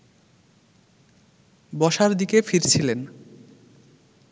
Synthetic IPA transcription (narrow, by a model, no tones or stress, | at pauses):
bɔʃaɾd̪ikefiɾt͡ɕʰilen